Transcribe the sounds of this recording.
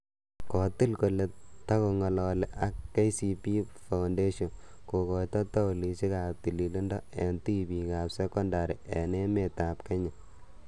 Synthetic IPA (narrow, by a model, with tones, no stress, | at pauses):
kɔ˨ti˦lko˨le˨ta˦ko˨ŋɔ˨lɔle˨ʔa˦kːe˦jsi˨pi˦fa˨ʊnde˦ʃɔ˨n | ko˨kɔ˨jtɔ˦tɔ˦ʊ˨li˨t͡ʃi˦ka˨p̚ti˨li˨li˦ndɔ˦ɛ˨nti˦bi˨ka˨psɛ˦kɔ˦nda˨ɾi˨ʔɛ˨ne˦me˨ta˨pke˦ɲa˨